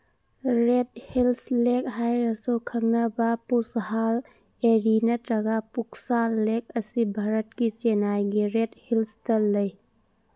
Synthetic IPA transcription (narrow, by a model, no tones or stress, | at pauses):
ɾet̚hilslek̚ɦajɾɐsokʰɐŋ̚nɐbapushal | eɾinɐtɾɐɡapuk̚salek̚ɐsibʱaɾɐt̚kit͡ʃenajɡiɾet̚hilstɐlɐj